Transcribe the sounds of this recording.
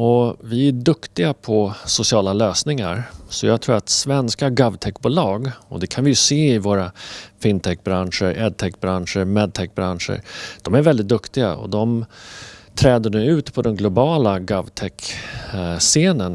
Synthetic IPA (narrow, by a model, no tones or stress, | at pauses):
ɔvɪæɖɵkt̪ɪɡapʰɔsʊsɪɑːlaløːsnɪŋa̰ɾsɔjaɡt̪ʰɾuːɾat̪svɛnskaɡavt̪ʰɛkːbuːlɑːɡɔ̰d̪ɛkʰanvɪjɵseːɪvoːɾafɪnt̪ʰɛk̚ːbɾanʂəɾɛd̪̚t̪ʰɛkːbɾanʂəɾmɛd̪̚t̪ʰɛk̚ːbɾanʂə̰ɾd̪̥ɔmæɾvɛld̪ɪt̪̚d̪ɵkt̪ɪɡa̰ɔ̰d̪ɔm | t̪ʰɾɛːd̪əɳʉ̟ːʉ̟ːt̪pʰɔd̪ɛnɡlʊbɑːlaɡavt̪ʰɛk | seːnən